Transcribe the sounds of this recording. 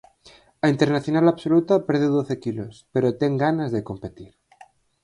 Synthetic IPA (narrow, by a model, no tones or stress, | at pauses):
aint̪e̞ɾnaθjo̞nalaβsolut̪apeɾð̞eðoθekilospe̞ɾot̪eŋɡanazðeko̞mpet̪iɾ